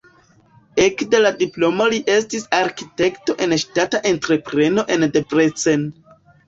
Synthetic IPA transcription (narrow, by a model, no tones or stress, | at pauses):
ekde̞ladiplo̞moliʔe̞stisaɾkite̞kto̞ʔe̞nʃtataʔe̞ntɾe̞pɾe̞no̞ʔe̞ndepɾet͡sen